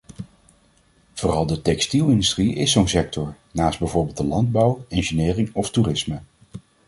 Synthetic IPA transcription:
v̥oːrɑlˠdətɛkstilˠɪndystriɪssownsɛk̚tʰɔɹ | naːsd̚bɛjvoːɹbɪlˠtdəlɑnd̚bʌwɛnʒənɪːrɪŋɔfturɪsmə

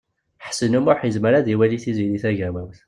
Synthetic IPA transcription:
ħsənumʊħjəzməɾæðiwæliθiziliθæʝæwæwθ

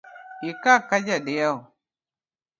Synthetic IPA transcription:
jikakad͡ʒadeja

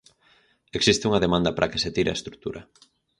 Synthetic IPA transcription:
eksist̪ɪuŋɐðemãnd̪ɐpɾʔɐkeset̪iɾea̰est̪ɾu̥k̚t̪uɾʔɐ

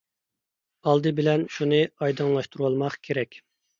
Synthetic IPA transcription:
ɑlˠd̪ɨbɪlɛnʃunɨɑjd̪ɨŋlˠɑʃt̪uɾuɑlˠmɑχkʲʰeɾɛkʲ

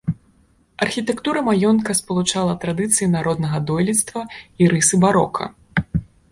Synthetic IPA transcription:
ɐrxʲit̪ɛkt̪uɾɐmajɔnkɐspɐlˠut͡ʂalˠɐt̪ɾad̪ɨt̪sɨjinaɾɔd̪nɐɣɐd̪ɔjlʲit̪st̪vɐiɾɨsɨbaɾɔ̰kʰɐ̰

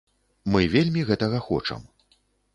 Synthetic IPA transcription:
mɨvʲelʲmʲiɣɛt̪ɐɣɐxɔ̰t͡ʂɐ̰m

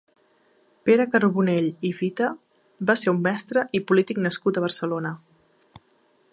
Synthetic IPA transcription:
peɾəkəruβuneʎifit̪ə | baseɾumːɛst̪ɾəʔipulit̪iknəskut̪əβ̞ərsəlonə

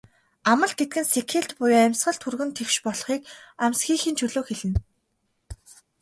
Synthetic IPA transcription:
amə̆ɮɡet̪̚ɡɘ̆nsekʰeɬt̪pʊjæmʲsχə̆ɬt̪ʰurɣɵ̆nt̪ʰewʃpɔɮχiːkamʲsxiːxiːnt͡ɕʰɵɮoːxeɮɘ̆n

